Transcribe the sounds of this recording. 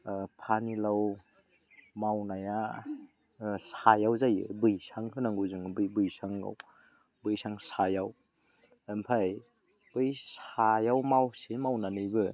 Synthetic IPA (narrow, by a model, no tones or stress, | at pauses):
pʰanilaw | mawnaja | sajawzajɯ̰bɯjsaŋhɯnaŋɡuzɯŋbɯjbɯjsaŋɡa̰w | bɯjsaŋsajaw | ɯmpʰaj | b̥ɯjsajawmawsimawnanɯjbɯ